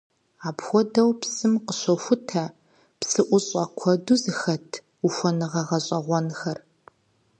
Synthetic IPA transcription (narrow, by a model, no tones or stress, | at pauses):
aːpxʷɔdɐwpsɨmqəɕʷɔxʷʊtʰɐ | psɨʔʷʊɕʼɐkʷʰɔduzɨxɐtʰ | uxʷɔnɨʁɐʁɐɕʼɐʁʷɔnxɐr